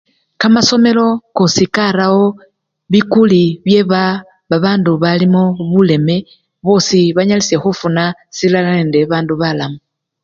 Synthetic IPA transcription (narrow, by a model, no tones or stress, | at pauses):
kamaso̞me̞lo̞kosikaɾawo̞ | βikuliβje̞βa | βaβaːnduβalimoβule̞me̞ | βo̞siβaɲalise̞xufunasilalaende̞βaːnduβalamu